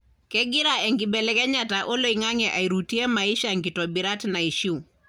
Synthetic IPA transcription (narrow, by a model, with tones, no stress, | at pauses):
kɛɡi˦ɾaɛ˨ŋɡi˨bɛ˨lɛkɛ˦ɲataʔo˦lo˦iŋa˦ŋɛʔa˨iɾu˨ti˦ɛ˦ma˨i˦ʃaŋɡi˨tɔbi˨ɾa˦tna˨i˨ʃi˦u˨